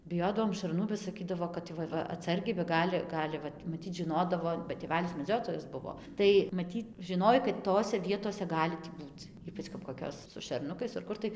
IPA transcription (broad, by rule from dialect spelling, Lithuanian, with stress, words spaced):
bʲɪˈjoːdɐʋoːm ʃɐrˈnuː bɐ sɐˈkʲiːdɐʋoː kɐt ˈʋɐ ˈʋɐ ɐtˈsɐrʲɡʲɛɪ bɐ ˈɡɑːlʲɪ ˈɡɑːlʲɪ ʋɐt mɐˈtʲiːt ʒʲɪˈnoːdɐʋoː bɐ tʲeːˈʋʲælʲɪs mʲɛˈd͡zʲoːtoːjɛs ˈbʊʋoː ˈtɐɪ mɐˈtʲiːt ʒʲɪˈnoːj kɐt ˈtoːsʲɛ ˈʋʲiɛtoːsʲɛ ˈɡɑːlʲɪ tʲiː ˈbuːt͡s ˈiːpɐt͡ʃ kɐp koːˈkʲoːs sʊ ʃʲɛrˈnʊkɐɪs ɐr ˈkʊr tɐɪ